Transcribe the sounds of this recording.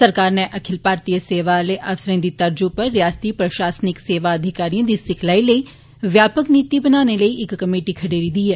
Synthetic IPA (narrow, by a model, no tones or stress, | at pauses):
səɾkaːɾneʔɐkʰɪlpaːɾt̪ijəseːʋaleʔɐfsɾẽːd̪iːt̪ɐɾd͡ʒupəɾːjaːst̪iːpɾəʃaːsnɪkseːʋaəd̪ʱɪkaːɾiãːd̪iːsɪkʰlaːiləi | ʋjaːpəkniːt̪ibənaːneləiɪkːəmeːʈiːkʰəɖeːɾiːd̪iːɛː